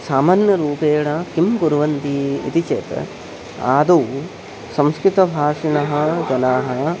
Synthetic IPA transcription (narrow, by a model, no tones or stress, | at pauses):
saːmaːnjɐɾuːpeːɽɐkimɡuɾʋɐnd̪iḭt̪it͡ʃḛːt̪ | a̰ːd̪u | sɐ̃mskɾɪt̪ɐbʱaːʂiɳɐɦɐ̆d͡ʒɐnaːɦɐ̆